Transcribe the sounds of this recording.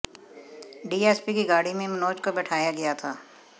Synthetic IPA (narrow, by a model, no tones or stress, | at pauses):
ɖiːɛːspikiɡaːɽimẽmɐnoːd͡ʒkobɛːʈʰaːjaɡɐjat̪ʰaː